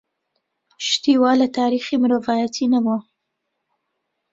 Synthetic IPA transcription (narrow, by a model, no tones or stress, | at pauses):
ʃt̪iwɑlat̪ɑɾixemʊɾavɑjat̪ʰinawo